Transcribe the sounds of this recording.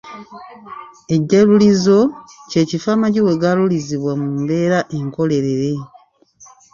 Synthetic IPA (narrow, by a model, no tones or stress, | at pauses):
e̞ɟːalulizo̞ceːcifaːmaɟiwe̞ɡaluliziβwamumbe̞ːɾaʔe̞ŋko̞le̞ɾe̞ɾe̞